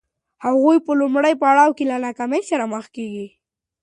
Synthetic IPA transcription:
haɣujpəlʊmɽəjpəɽɑwkelanakaməjsaɾaməxkeɡi

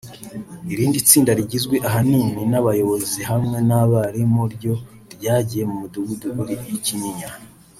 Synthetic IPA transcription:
iɾiːndit͡siːndaɾiɟizɡwe̞ʔaɦaniːminaβajo̞βo̞ziɦamŋe̞naβaɾimuɾɟo̞ | ɾɟaːɟije̞mumuduɡuduɡuɾijiciɲiɲa

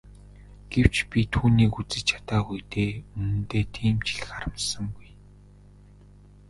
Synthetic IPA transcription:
ɡ̥ew̥t͡ɕpʲit̪ʰuːniːkut͡sɘ̆t͡ɕt͡ɕʰḁt̪aːɡujt̪eːɵnɘ̆nt̪eːt̪ʰiːmt͡ɕɪ̆ɮ̆xaɾə̆msə̆ŋɡuj

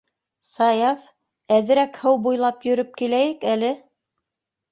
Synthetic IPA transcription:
sɑjɑf | æðɘ̆ɾækhɤwbujlˠɑpjɵ̆ɾɵp̚kilæjɘkælɘ

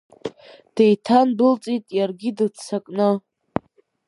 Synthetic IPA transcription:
d̥ejtʰanbɨlt͡sʼitʼjarɡʲidɨt͡sʰakʼnɨ

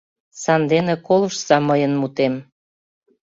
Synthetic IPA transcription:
sɑnd̪enekoləʃsɑməjənmut̪em

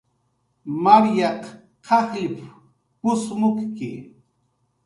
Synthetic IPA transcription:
maɾjɑq | qʰɑχɪp | pʊsmʊkkɪ

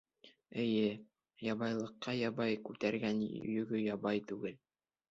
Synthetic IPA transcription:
ɘ̆jɘ | jɑβɑjlˠɤ̆qːɑjɑβɑjkʉt̪æɾɡænɵ̰jɵ̆ɡɵjɑβɑjt̪ʉɡɘl

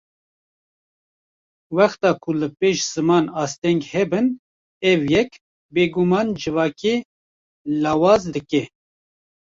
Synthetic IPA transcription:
wɛxt̪ɑːkʰʊlɨpeːʃz̥ɨmɑːnɑːst̪ɛŋɡhɛbɨn | ɛvjɛk | beːɡumɑːnd͡ʒɨvɑːkeː | lɑːwɑːzd̪ɨkɛ

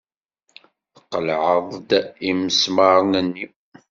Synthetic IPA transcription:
θəqːəlʕəðˤd̪iməsmɑɾˤnənːi

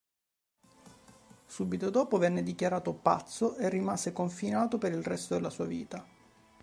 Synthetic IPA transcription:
suːbit̪od̪ɔːpovɛnːed̪ikjaɾaːt̪opa̰t̪sːoʔerːimasekoɱfinaːt̪opeɾilrɛst̪od̪elːasuːavḭːt̪a

